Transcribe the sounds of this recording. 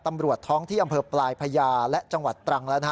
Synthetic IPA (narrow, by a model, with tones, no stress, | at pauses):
t̪a˧mɾu˨˩ət̪ʰːɔː˦˥ŋt̪ʰiː˥˩ʔa˧mpʰɤː˧plaː˧jpʰa˧jaː˧lɛ˦˥ʔt͡ɕa˧ŋwa˨˩t̪ːɾa˧ŋla˦˥na˦˥